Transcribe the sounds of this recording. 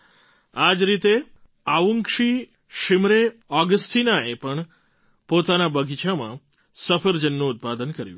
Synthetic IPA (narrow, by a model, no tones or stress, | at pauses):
ad͡ʒɾit̪e | aʋuŋkʂi | ʃɪmɾeɔɡəsʈinaepəɳ | pot̪anabəɡʱit͡ʃʰamã̰ | səfʰəɾd͡ʒənːũːt̪̚pad̪ənkəɾjṵ̃